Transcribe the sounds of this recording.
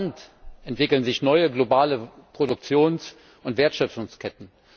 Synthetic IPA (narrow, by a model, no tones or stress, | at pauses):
ntʔɛntv̥ɪkl̩nzɪçnɔʏəɡlobaːləpʁ̥odʊk̚t͡sjoːns | ʔʊntv̥eːɐtʃœp͡ffʊŋskʰɛtn̩